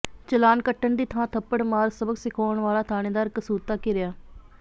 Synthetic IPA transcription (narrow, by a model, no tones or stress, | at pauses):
t͡ʃəlaːnkəʈːəɳd̪iːt̪ʰãːt̪ʰəpːəɽmaːɾsəbəɡsɪkʰoːəɳʋaːlaːt̪ʰaːɽ̃ẽːd̪aːɾkəsuːt̪aːkɪɾɪjaː